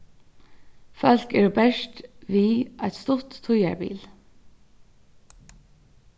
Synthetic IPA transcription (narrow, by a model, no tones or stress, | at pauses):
fœlkɛːɹobɛʃtʋiːʔɑɪt̪st̪ʊt̪ʰːʊjæ̰ɹbḭːl